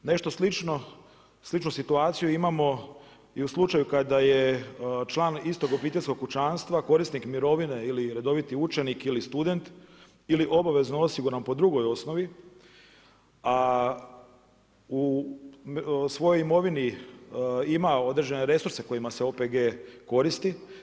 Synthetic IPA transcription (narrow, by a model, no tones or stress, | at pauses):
ne̞ʃt̪oslit͡ʃno | slit͡ʃnusit̪uaːt̪sijuimamo̞ | iuslˠut͡ʃajukad̪ajet͡ʃlˠaːnist̪o̞ɡopiːt̪elʲskokːut͡ʃaːnst̪ʋako̞ɾisnikmiɾo̞ʋine̞iliɾe̞d̪o̞ʋit̪iut͡ʃe̞nikilist̪ud̪e̞nt̪ | iliʔo̞baʋe̞znoo̞siɡuɾanpo̞d̪ɾuɡo̞jo̞sno̞ʋi | a | u | sʋo̞jo̞jimo̞ʋini | imao̞d̪ɾed͡ʑe̞ne̞ɾe̞suɾseko̞jimaseo̞peɡeːko̞ɾist̪i